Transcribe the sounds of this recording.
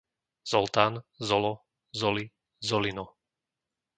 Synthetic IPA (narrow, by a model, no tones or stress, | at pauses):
z̥ɔlˠt̪aːnzɔlɔ | zɔli | zɔlinɔ